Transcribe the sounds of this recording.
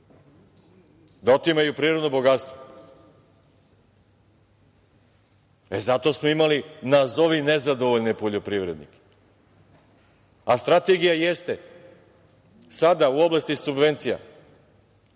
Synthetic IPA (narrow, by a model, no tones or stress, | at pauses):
d̪aot̪imajupɾiːɾo̞d̪nobo̞ɡat̪st̪ʋo | ezat̪o̞ːsmoimalinazo̞ʋinezad̪o̞ʋoʎnipoʎo̞pɾiʋɾed̪nḭke̥ | ast̪ɾat̪e̞ɡijajest̪e̞ | sad̪auo̞blast̪isubʋe̞nt̪sija̰